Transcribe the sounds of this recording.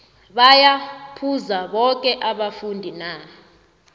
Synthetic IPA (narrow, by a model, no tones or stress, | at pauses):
ɓajapʰuzaɓɔkʼɛʔaɓafundʱina